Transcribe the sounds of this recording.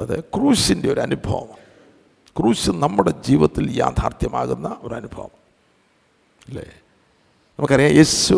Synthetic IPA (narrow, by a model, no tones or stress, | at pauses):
ɐðɨkruːsinde̞o̞ɾuɐnubʱɐʋɐ̰m | kruːsɨnɐmːuɽed͡ʑiːʋɐt̪ːilja̰ːd̪ʱaːrt̪jɐmaːɣunːɐo̞ɾɐnubʱɐ̰ʋɐ̰m | ilːḛː | nɐmukːɐrijajeːsu